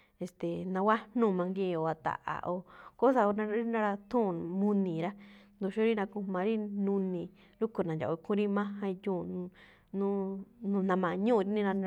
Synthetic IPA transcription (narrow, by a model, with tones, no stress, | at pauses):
e˨st̪e˨nã˧wa˦n̥ũ˦˨mã˧ŋɡĩ˦˧o˨a˨t̪a̰˨ʔa̰˨ʔo˧ko˦sa˧o˧nã˧˦nã˦˧ɾa˧t̪ũ˦˨mũ˧nĩ˨ɾa˦nd̪u˧ʃu˦ɾi˦nã˧kũ˧mã˨˧ɾi˦nũ˧nĩ˧ | ɾu˦ku˨˧nã˨d͡ʒa̰˨˧kʰũ˦ɾi˦mã˦hã˧i˧jũː˦˨˧ | nũ˦nũ˧nã˧mã˨˧ɲũː˦˧ɾi˧˦nĩ˦ɾã˧